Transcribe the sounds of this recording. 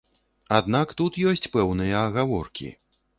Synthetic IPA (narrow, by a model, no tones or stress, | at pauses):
ad̪nakt̪ut̪jɔsʲt͡sʲpɛwnɨjɐːɣavɔ̰rkʲḭ